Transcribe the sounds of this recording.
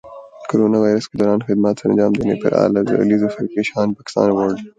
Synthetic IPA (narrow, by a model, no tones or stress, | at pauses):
koɾonɑwɑjɾəskɪd̪aɾɑːnxɪd̪mat̪sənd͡ʒɑːmd̪ənḛpə̰ɾa̰lazə̰a̰lizofaɾkiʃɑnpɑkɪ̥st̪ɑ̰ːnwoɽɖ̪i